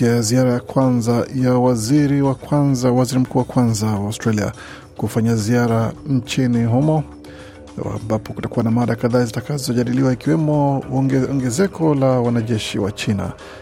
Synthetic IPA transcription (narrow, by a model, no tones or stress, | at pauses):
iaziaɾajakwanzajawaziɾiwakwanzawaziɾim̩kuːwakwanzawaustɾalia̰ | kufaɲaziaɾaɲt͡ʃiniɦumɔ | a̰mbapɔkutakuwanamaɗakaðaːzitakazɔʄaɗiliwaikiwɛmɔɔŋɡɛzɛkɔlawanaʄɛʃḭwa̰t͡ʃina̰